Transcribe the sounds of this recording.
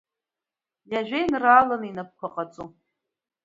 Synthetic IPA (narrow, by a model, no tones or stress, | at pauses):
jaʒᶣajnraːlanɨinap̚kʷʰaqʼat͡sʼu